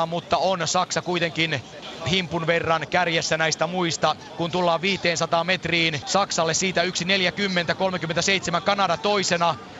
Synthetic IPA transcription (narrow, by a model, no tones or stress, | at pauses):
ɑmut̪ːɑonsɑksɑkuijt̪eŋkin | himpːunʋerːɑnkærjesːænæist̪æmuist̪ɑ | kunt̪ulːɑːʋʋiːt̪ˑeːnsɑt̪ɑːme̞t̪riːnsɑksɑlːessiːt̪æyksineljækymːent̪æko̞lmek̟ymːet̪æseit̪semæŋkɑnɑdɑt̪o̞isenɑ